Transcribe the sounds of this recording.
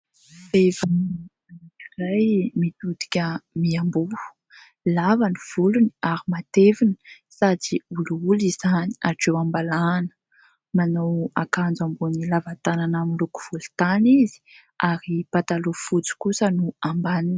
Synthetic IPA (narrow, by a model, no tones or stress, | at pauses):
fevan | aniirajmit̪ud̪i̥kʲəmiambu | lavaniv̥uluniaɾimat̪evini̥ | sad͡ziuluulizani̥aʈ͡ʂewambalanə̥ | manowakand͡zambunilavat̪ananaminluku̥v̥ulu̥t̪anizi̥ | aɾipat̪alufut͡su̥kusənuambanin